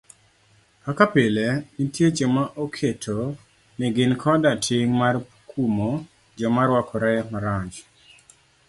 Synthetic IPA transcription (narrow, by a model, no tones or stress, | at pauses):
akapɪlenitjed͡ʒɔmaʔokʰetʰo | nɛɡɪnkʰɔdatʰɪŋmar | kʰumo | d͡ʒɔmaɾwakʰɔɾajɛmaɾaɲd͡ʒ